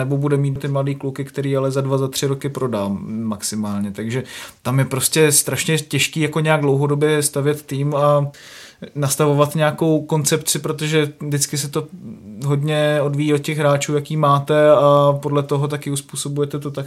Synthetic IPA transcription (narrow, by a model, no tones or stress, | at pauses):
nɛbo̞budɛmiːt̪t̪ɪmladiːklukɪkt̪ɛɾiːalɛzadvazat̪r̝̥ɪɾo̞kɪpɾo̞dalmaksɪmaːlɲɛt̪aɡʒɛt̪amjɛpɾo̞scɛst̪ɾaʃɲɛcɛʃkiːjako̞ɲɛjaɡ̚dlo̞wɦo̞do̞bjɛst̪avjɛt̪ːiːma | nast̪avo̞vat̪ɲɛako̞wko̞nt͡sɛpt͡sɪpɾot̪o̞ʒɛvdɪt͡skɪs̬ɛt̪o̞ɦo̞dɲɛo̞dvijio̞t̪̚cɛɣɦɾaːt͡ʃuːjakiːmaːt̪ɛapo̞dlɛt̪o̞ɦo̞t̪̬akɪuspuːso̞bujɛt̪ɛt̪o̞t̪ak